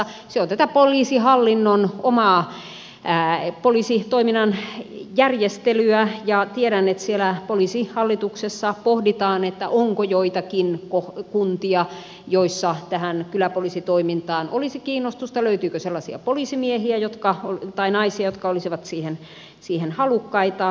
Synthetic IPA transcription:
seont̪æt̪æpoliːsihɑlːinːonomɑː | poliːˑsit̪oiminːɑnjærjest̪elyæjɑt̪ieɾænːet̪sielæpoliːˑsihɑlːit̪uksesːɑpohdit̪ɑːnet̪ːæ̰ʔoŋkojoit̪ɑkinkohkunt̪iɑ | joisːɑt̪æhænkylæpolisit̪oimint̪ɑːnʔolisikiːnːˑost̪ust̪ɑløyt̪yːkøselːɑsiɑ̰poliˑsimiehiæjot̪kɑot̪ɑinɑisiɑjot̪kɑolisiʋɑt̪siːhen | siːhenhɑlukːɑit̪ɑ

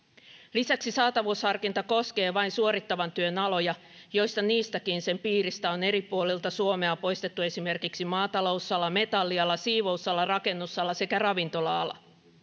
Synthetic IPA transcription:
lisæksisɑːt̪ɑʋushɑrkint̪ɑko̞ske̞ːʋɑjnsuo̞ɾit̪ːɑʋɑnt̪yø̞nɑlo̞jɑ | jo̞jst̪ɑniːst̪ækinse̞mpiːɾist̪æo̞ne̞ɾipuolilt̪ɑsuo̞me̞ɑpo̞jst̪et̪ːue̞sime̞rkiksimɑːt̪ɑlo̞usːɑlːɑme̞t̪ɑlːiɑlːɑsiːʋo̞usːɑlːɑrɑke̞nːusːɑlːɑse̞kærɑʋint̪o̞lɑɑlɑ̰

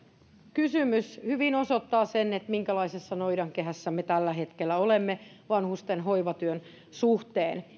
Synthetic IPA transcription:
kysymyshyʋinosot̪ːɑːsenːet̪miŋkælɑisesːɑnoidɑŋkeɦæsːæmet̪ælːæɦet̪kelːæolemːe | ʋɑnhust̪enɦoiʋɑt̪yøn | suht̪eːn

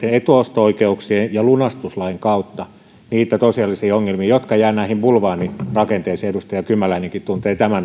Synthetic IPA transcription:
eet̪uost̪ooikeuksiejɑlunɑst̪uslɑeŋkɑut̪ːɑ | niːt̪ːæt̪osiɑlːisiːoŋːelmiːjot̪kɑjæːnæˑihimbulʋɑːnirɑkent̪eːseedust̪ɑjɑkymːælæineŋkit̪t̪unt̪eːt̪æmæn

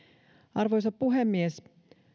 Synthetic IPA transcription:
ɑrʋojs̬ɑppuɦemːies

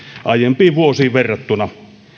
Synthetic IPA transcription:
ʔɑˑjempiːʋʋuosiːʋʋerːɑt̪ːunɑ

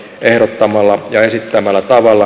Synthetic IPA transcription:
ehɾot̪ːɑmɑlːɑjɑesit̪ːæmælːæt̪ɑʋɑlːɑ

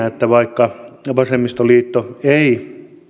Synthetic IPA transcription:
æet̪ːæʋɑikːɑʋɑsemːist̪oliːt̪ːoei

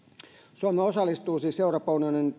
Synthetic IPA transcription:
suɑmeosɑlːˑist̪uːsiːsseuropɑunjonin

